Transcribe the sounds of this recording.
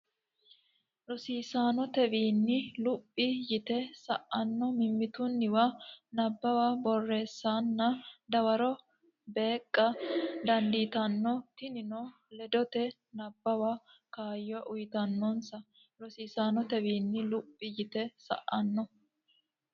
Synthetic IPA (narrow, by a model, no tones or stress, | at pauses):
ɾɔsiːsaːnɔt̪ɛbiːnːɪlʊpʼːɪjɪt̪ɛsɐ̰ʔɐnːɔmɪmːɪt̪ʊnːɪwanɐbːɐwabɔrːe̞ːsːaːnːɐd̪ɐwɐɾɔ | be̞ːkʼːɐd̪ɐnd̪iːt̪ɐnːɔt̪ɪnɪnɔ | lɛd̪ɔt̪ɛ | nɐbːɐwakaːjːɔʔʊjɪt̪ɐnːɔnsɐ | ɾɔsiːsaːnɔt̪ɛwiːnːɪlʊpʼːɪjɪt̪ɛsɐ̰ʔɐnːɔ